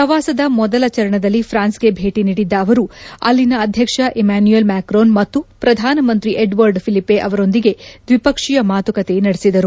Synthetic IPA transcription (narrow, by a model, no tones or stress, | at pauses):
pɾɐʋaːsɐd̪ɐmɔd̪ɐlɐt͡ʃɐɾɐɳɐd̪ɐlːipʰɾaːnsɡe̞bʱe̞ːʈiniːɽid̪ːɐːʋɐɾuɐ̰lːinɐːd̪ʱjɐkʂɐʔemaːnjuelmaːkɾoːnmɐt̪ːupɾɐd̪ʱaːnɐmɐnt̪ɾiʔeɖʋɐɾɖpʰilipːeʔɐʋɐɾo̞nd̪iɡe̞d̪ʋipɐkʂijɐmaːt̪ukɐt̪e̞nɐɽesid̪ɐɾu